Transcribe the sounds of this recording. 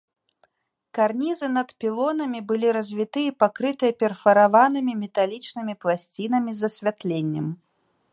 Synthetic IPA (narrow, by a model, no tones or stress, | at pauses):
karnʲizɨnɐt̪pʲilˠɔnɐmʲibɨlʲiɾɐzʲvʲit̪ɨipakɾɨt̪ɨjɐpʲɛrfɐɾavanɨmʲimʲɛt̪alʲit͡ʂnɨmʲiplˠasʲt͡sʲinɐmʲizɐsʲvʲat̪lʲenʲːɛm